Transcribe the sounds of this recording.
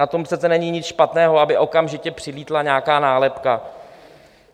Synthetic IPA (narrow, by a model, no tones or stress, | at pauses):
at̪o̞mprɛt͡sɛnɛɲiɲɪt͡sʃpat̪nɛːɦo̞abɪʔo̞kamʒɪcɛpr̥ɪliːt̪laɲaːkaːnaːlɛpka